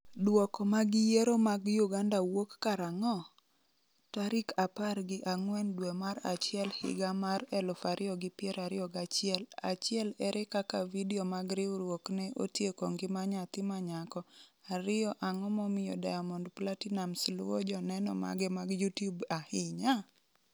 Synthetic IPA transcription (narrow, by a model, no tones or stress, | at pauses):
dwɔkɔmaɡɪjeɾomaɡjuɡandawokːaɾaŋɔ | taɾɪkʰaparɡɪʔaŋwɛndwemaɾa̰t͡ʃɪɛlhɪ̰ɡamarɛlʊfaɾʔɪɔɡɪpɪɛɾaɾɪɔɡat͡ʃɪɛla̰t͡ʃɪɛlɛɾʔɛkakavidiomaɡɾɪʊɾwoknɛʔo̰tjekoŋɡɪmaɲat̪ɪmaɲakɔaɾɪɔʔaŋɔmɔmɪjɔ̰da̰jamɔndplatinamslwɔd͡ʒɔnɛnɔ̰ma̰ɡɛmaɡjutjubahɪɲa